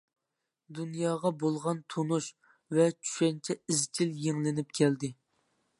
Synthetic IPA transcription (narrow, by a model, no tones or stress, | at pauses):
d̪unjɑːʁɑbolˠʁɑnt̪ʰonuʃ | vɛt͡ʃʰy̥ʃɛnt͡ʃʰɛizt͡ʃʲʰiljeŋlɪnɪp̚kʲʰɛld̪ɪ